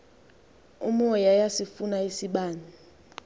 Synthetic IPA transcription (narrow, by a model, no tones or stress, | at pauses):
umujajasifunaisiɓaːni